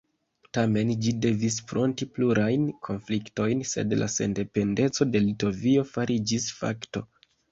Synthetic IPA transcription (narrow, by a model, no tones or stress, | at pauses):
tame̞nd͡ʒide̞vis̬fɾo̞ntipluɾajnkʰo̞nflikto̞jnse̞̰dla̰se̞̰nde̞pe̞nde̞t͡so̞de̞lito̞vio̞faɾʔid͡ʒisfa̰kto̞̰